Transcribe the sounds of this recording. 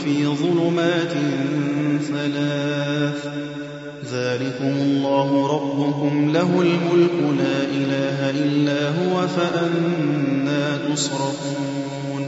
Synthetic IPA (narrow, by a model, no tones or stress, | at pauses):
fiːðˤʊlʊmaːt̪ɪnθalaːθ | ðaːlɪkʊmʊlˤːɑːɦʊɾˤɑbːʊkʊmlaɦʊlmʊlkʊlaːʔɪlaːɦaʔɪlːaːɦʊwafaʔannːaːt̪ʊsɾˤɑfuː | n